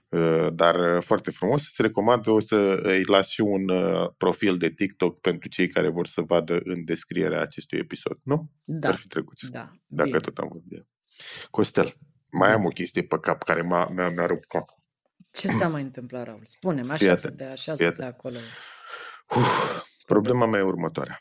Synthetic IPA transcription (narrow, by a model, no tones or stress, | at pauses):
əd̪arfoart̪e̞fɾumo̞sə̥seɾe̞ko̞mand̪əo̞səɨjlasʃiunpɾo̞fild̪e̞t̪ik̚t̪o̞kpe̞nt̪ɾut͡ʃe̞jkaɾe̞vo̞rsəvad̪əʔɨnd̪e̞skɾije̞̰ɾea̰ːt͡ʃe̞st̪uje̞̰piso̞̰d̪̥nu | d̪arfit̪ɾeku̥t̪sd̪a | d̪akət̪o̞t̪a̰mvorbi | ko̞st̪e̞l | majamo̞kʲe̞st̪ije̞pəkapkaɾe̞mamamaɾup̚t̪̚kap | t͡ʃesamajɨnt̪ɨmplaɾaulspunemafiat̪aʃafiat̪kolo | uh | pɾo̞ble̞mamajeurmət̪oa̰ɾea